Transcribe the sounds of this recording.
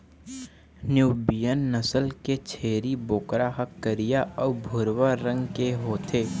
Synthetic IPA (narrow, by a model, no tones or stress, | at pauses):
njuːbijənːəsəlket͡ʃʰeːɾiboːkɾaɦɐkːəɾijaʔɔːbʱʊɾwaɾə̃ŋɡkeɦoːt̪ʰeː